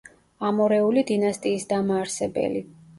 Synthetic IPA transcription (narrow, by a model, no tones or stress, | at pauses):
amɔɾɛulid̪inast̪ʼiːsd̪amaːɾsɛbɛ̰li